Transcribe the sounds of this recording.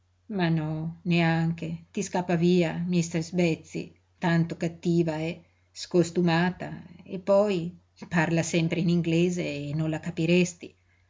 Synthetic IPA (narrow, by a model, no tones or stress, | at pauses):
manɔneaŋket̪iskapːaviːamist̪ɛɾzbɛt̪sːḭ | t̪ant̪okat̪ːiːvaɛ | skost̪umaːt̪a̰epːɔj | parlasɛmpɾeiniŋɡlɛːzeːnːõnlakapiɾɛst̪i